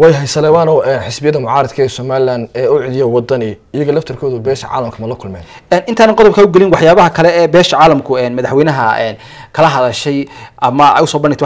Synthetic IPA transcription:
wɛjɦɛjsɐlɛːwaːnɔːɛːnħɪsbɪjɐðɐmʊʕɑːɾɐd̪kʰɛsɔːmaːlɪlaːnd̪ɛːʊʕɪðjɔwɑd̪ɐnɪɪjɐɣɐlɐft̪ʰɐrkʰɔːðʊbɛːʃɐ̰ʕa̰ːlɐmkʰɐmɐlɐkʰʊlmɛ̰ːn | ɛːnʔɪnt̪ʰaːnɐŋqɔðɔb̚kʰɐʊɡɛlɪnwɑħjaːβɐɦɐkʰɐlɛɛːbɛːʃɐʕɑːlɐmkʰʊɛːnmɐðaħwɛnɐɦɐɛ̰ːn | kʰɐlɐɦɐðɐʃɛjʔɐmɐɛ̰jʊsɔːbɐnɖɪɡ̚t̪ʰ

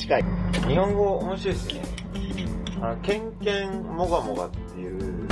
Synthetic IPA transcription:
i̥kaiɲ̟ihõ̞ŋɡo̞omo̞ɕiod̪esɨnḛ | anokẽ̞ŋkẽŋmo̞ɡamoɡa̰t̪ːe̞jɯ̟

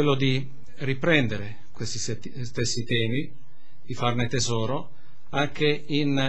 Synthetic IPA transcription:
welːod̪i | ripɾɛnd̪eɾe | kwest̪i | st̪esːit̪ɛːmi | d̪̥ifarnet̪ezɔːɾo | aŋk̟e | in

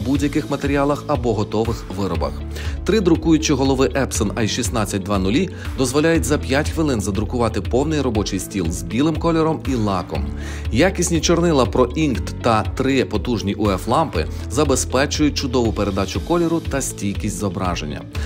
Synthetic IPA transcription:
budʲjɐkɪxmɐt̪eɾʲiɑlˠɐxɐbɔɦɔt̪ɔʋɪxʋɪɾɔbɐ̰x | t̪ɾɪd̪ɾʊkujʊt͡ʃiɦɔlˠɔʋɪʔɛpsɔnɐjʃisnɑt͡sʲːɐt̚ʲd̪ʋɑnʊlʲi | d̪ɔzʋɔlʲajʊtʲzɐpʲjatʲxʋɪlˠɪnzɐd̪ɾʊkʊʋɑt̪ɪpɔwnɪjrɔbɔt͡ʃɪjsʲtʲilˠzbʲilˠɪmkɔlʲɛɾɔmilˠɑkɔ̰m | jakʲisʲnʲit͡ʃɔrnɪlˠɐpɾɔʔinkt̪ːɐt̪ɾɪpɔt̪uʒnʲiʔʊɛflˠɑmpɪ | zɐbespɛt͡ʃʊjʊt̚ʲt͡ʃʊd̪ɔʋʊpeɾe̞d̪ɑt͡ʃʊkɔlʲɛɾʊt̪ɐsʲtʲilʲkʲisʲtʲzɔbɾɑ̰ʒḛnʲːɐ̰

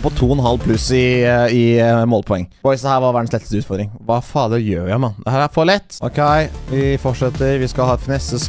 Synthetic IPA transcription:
pʰɔt̪ʰuːɔnɦɑlpʰlʉsɪɪmoːlpʰɔɛ̰ŋːb̥ɔɪsd̪ɛhæːɾʋɑɾʋæɖn̩slɛt̪ə̥st̪əʉːt̪fɔɾd̪ɾɪŋʋɑfɑːd̪əjøːɾjæɪmɑnd̪ɛhæːɾæfɔɭɛt̪ːʔɔkʰeɪʋɪfɔʈʂɛt̪ːəɾʋɪskɑhɑːt̪fnɛsəs

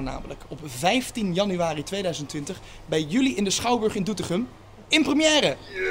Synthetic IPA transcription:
na̰ːmələ̰kɔpvɛjftinjɑnyʋaːritʋejdœɥzəntʋɪntəχ | bɛjjyliɪndəsχɑwbɵɹχɪndutəχəm | ɪnprəmjɛːrə

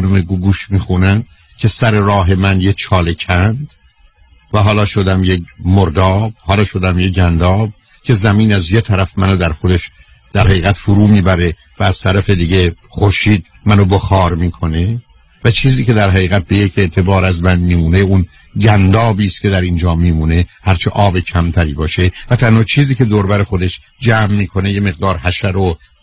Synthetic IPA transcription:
nomeɡuɡuːʃmiːxunæn | cʰe̞sæɾe̞ɾɒːɦe̞mænjet͡ʃʰɒːle̞cʰænd̪ | væɦɒːlɒːʃod̪æmjekmoɾd̪ɒːb̥hɒːlɒːʃod̪æmjeɟænd̪ɒːb̥̚ | cʰe̞zæmiːnæzjet̪ʰæɾæfmænod̪æɾxod̪eʃ | d̪̥æɾhæɣiːɣæt̪fuɾuːmiːbæɾe̞ | væːz̥t̪ʰæɾæfe̞d̪iɟexoɾʃiːd̪̚ | mænoboxɒːɾmiːkʰo̞ne̞ | væt͡ʃʰiːziːce̞d̪æɾɦæɣiːɣæt̪̚be̞je̞cʰe̞ʔt̪ʰe̞bɒːɾæzmænmiːmuːneun | ɟænd̪ɒːbiːst̪cʰʲe̞d̪æɾind͡ʒɒːmiːmuːne̞hæɾt͡ʃʰeʔɒːbecʰæmt̪ʰæɾiːbɒːʃevæt̪ʰænhɒːt͡ʃʰiːziːce̞d̪oɾbæɾexo̞d̪eʃ | d͡ʒæːmːiːkʰo̞neje̞me̞ɣ̚d̪ɒːɾhæʃæɾo

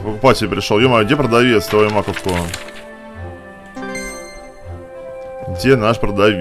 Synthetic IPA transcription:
pəkʊpatʲɪlʲpɾʲɪʂolˠjʊmajuɡdʲepɾəd̪avʲet̪st̪aojʊmakt̪ko | dʲenaʂpɾəd̪avʲ

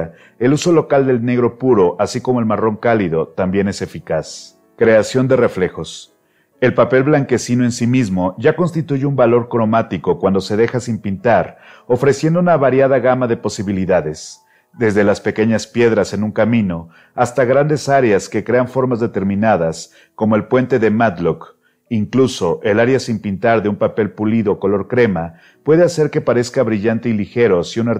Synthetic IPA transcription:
e̞luso̞lo̞kald̪e̞lne̞ɣɾo̞puɾo̞ʔasiko̞mo̞e̞lmaro̞ŋkaliðo̞t̪ambje̞ne̞se̞fikas | kɾe̞asjo̞nd̪e̞re̞fle̞xo̞s | e̞lpape̞lβlaŋke̞sino̞e̞nsimizmo̞ʝako̞nst̪it̪uʝeumbalo̞ɾkɾo̞mat̪iko̞kwand̪o̞se̞ðe̞xasimpint̪aɾo̞fɾe̞sje̞nd̪ounaβaɾjaðaɣamaðe̞po̞siβiliðaðe̞s | d̪e̞zðe̞laspe̞ke̞ɲaspje̞ðɾase̞nũŋkamĩno̞ | ast̪aɣɾand̪e̞saɾeaske̞kɾe̞aɱfo̞ɾmazðe̞t̪e̞ɾmĩnað̞as | ko̞mo̞e̞lpwe̞nt̪e̞ðe̞mat̪lok | iŋkluso̞ʔe̞laɾjasimpint̪aɾðeumpape̞lpuliðo̞ko̞lo̞ɾkɾe̞ma | pwe̞ðe̞ase̞ɾke̞paɾe̞skaβɾiʝant̪e̞ilixe̞ɾo̞siunaɾ

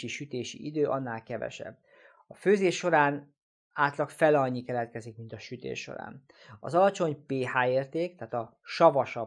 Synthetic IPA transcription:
iʃyt̪eːʃḭʔid̪øːʔɒnːaːlkɛvɛ̰ʃɛ̰b̚ː | ɒføːzeːʃːo̞ɾaːn | aːt̪lɒkfɛlɒɲːikɛlɛt̪̚kɛzikmint̪ɒʃyt̪ḛːʃːo̞̰ɾa̰ːn | ɒ̰zɒlɒt͡ʃo̞ɲpeːhaːeːrt̪eːkt̪aːt̪ɒʃɒvɒʃɒ

